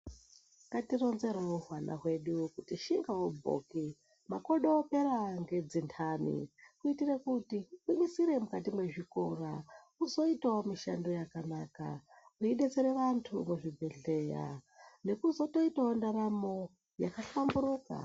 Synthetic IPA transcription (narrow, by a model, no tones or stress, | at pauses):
katironzeɾomuɦwana̰ɦwe̞ɗukutiʃiŋɡawobʱo̰ki | makoɗoːpe̞ɾaŋɡe̞d͡zintʰaːnḭkuitirekutikwiɓisiɾe̞mukatimwe̞ʐikora | uzo̞itaomiʃa̰ndojakanaːka̰ | uiɗe̞t͡seɾeʋantʰṵmuʐibʱe̞ɮe̞ːja̰ne̞kuzotoitaondaramo̞ | ja̰kaɬamburuːka̰